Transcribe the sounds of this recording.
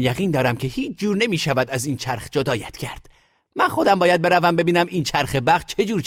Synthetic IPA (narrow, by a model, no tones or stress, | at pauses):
jæɣiːnd̪ɒːɾæmcʰe̞hiːt͡ʃʰd͡ʒuːɾne̞miːʃævæd̪æziːnt͡ʃʰæɾχd͡ʒod̪ɒːjæt̪ʰcʰæɾd̪̥ | mænxo̞d̪æmbɒːjæd̪̚be̞ɾævæmbe̞biːnæmiːnt͡ʃʰæɾxe̞bæɣd̪̚t͡ʃʰe̞d͡ʒuːɾ